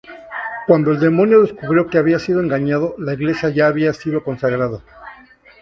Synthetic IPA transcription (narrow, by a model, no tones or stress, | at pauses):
kwand̪o̞e̞ld̪e̞mo̞njo̞ðe̞skuβɾjo̞ke̞aβiasiðoe̞ŋɡaɲaðo̞laiɣle̞sjaʝaːβiasiðo̞ko̞nsaɣɾaða